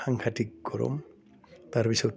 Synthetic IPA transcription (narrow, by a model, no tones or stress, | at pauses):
aŋkʰatikkɔɾɔ̰m | t̪aɾpisɔ